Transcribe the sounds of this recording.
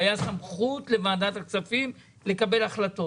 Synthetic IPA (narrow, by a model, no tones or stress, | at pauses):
jasamχutle̞maːdat̪akt͡safim | le̞kabe̞laχlat̪o̞